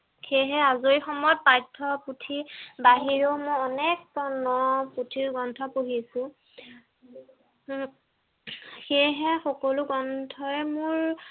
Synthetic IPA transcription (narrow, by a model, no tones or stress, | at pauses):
xejɦɛazojxɔmɔjɔt̚pajtʰːɔputʰibaɦiɹomɔjɔnɛk̚pɔnɔputʰiɹɡɔntʰɔpoɦisʊ̃ | xejɦɛxɔkɔluɡɔntʰɔɛmʊɹ